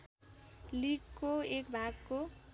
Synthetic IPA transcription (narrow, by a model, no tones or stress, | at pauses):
liɡkoekbʱaɡko